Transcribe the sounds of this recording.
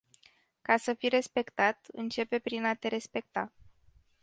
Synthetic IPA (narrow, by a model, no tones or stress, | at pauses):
kasəfire̞spe̞kt̪at̪ɨ̰nt͡ʃe̞pe̞pɾinat̪e̞ɾe̞spe̞k̚t̪a